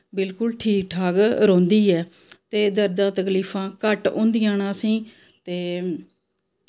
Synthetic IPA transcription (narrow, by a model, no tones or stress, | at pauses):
bɪlkʊlʈʰiːk̚ʈʰaːɡɾõːnd̪iːɛː | t̪eːd̪əɾd̪ãːt̪əkliːpʰãːkəʈõ̰ːnd̪ijãːnãːsĩː | t̪eː